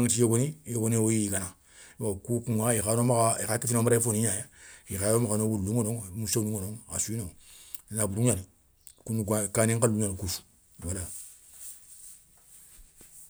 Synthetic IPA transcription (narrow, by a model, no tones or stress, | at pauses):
ŋt͡ʃijoɡonijoɡonewojiikana | wakukuŋaixanomaaḭxakifinomaɾaifoniɲajaixaomakanowuɾuluŋonoŋmusaniŋonoŋa̰suinoŋinabuɾuani | kunuɡkaniŋkaluɲanikusu̥ | wala